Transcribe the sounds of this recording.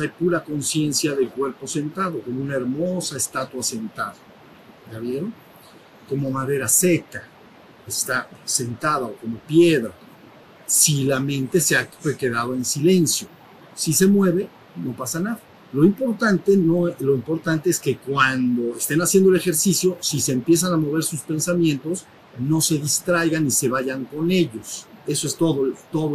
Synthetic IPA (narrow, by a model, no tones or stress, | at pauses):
ajpuɾako̞nsje̞nsjaðe̞lkwe̞ɾpo̞se̞nt̪aðo̞ko̞mounae̞ɾmo̞saest̪at̪wase̞nt̪aða | ʝaβjeɾo | ko̞mo̞maðe̞ɾase̞ka | est̪ase̞nt̪aðaoko̞mo̞pje̞ðɾa | silamẽ̞nt̪e̞seafweke̞ðaðoensile̞nsjo̞ | sise̞mwe̞βe̞ | no̞pasanaða | lo̞impo̞ɾt̪ant̪e̞noelo̞impo̞ɾt̪ant̪e̞eske̞kwand̪o̞est̪e̞nasjend̪oele̞xe̞ɾsisjo̞sise̞ːmpje̞s̬anamo̞βe̞ɾsuspe̞nsamjẽ̞nt̪o̞s | no̞se̞ðist̪ɾajɣanːise̞βaʝaŋko̞ne̞ʝo̞se̞soe̞st̪oðot̪o̞ðo